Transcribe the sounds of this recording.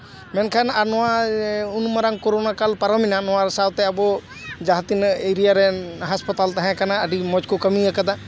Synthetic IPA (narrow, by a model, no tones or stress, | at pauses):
mɛnkʰanaɾnɔwaunmaɾaŋkɔɾonakalpaɾəminanɔwãɾsawt̪ɛabɔ | d͡ʒaɦt̪ineɾijaɾɛɦaspət̪alt̪aɦɛ̃kanaəɖimɔd͡ʒkɔkəmiakəd̪a